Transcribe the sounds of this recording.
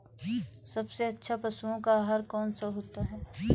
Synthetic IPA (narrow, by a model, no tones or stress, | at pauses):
sɐbseɐtːʃʰapɐsuõkaɦaɾkɔːnsaɦoːt̪aɦɛː